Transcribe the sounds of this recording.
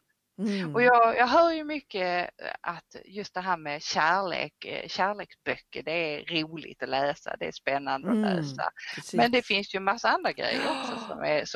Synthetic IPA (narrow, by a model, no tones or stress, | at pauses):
ɔjɑːjɑːɡɦœːɾjɵmʏkːəʔat̪jɵst̪̚d̪ɛɦæːɾmɛɕæːɭḛːkɕæːɭeːksbœkːəɖɛæɾɾuːlɪ̰ɡ̚t̪ɔlɛːsa̰d̪ɛæspɛnːand̪əɔnø̰ːsa̰mɛnd̪ɛfɪnsjɵɛnmasːaand̪ɾaɡɾɛ̰jːə̰ɾɔksɔsɔ̰mæ̰ɾs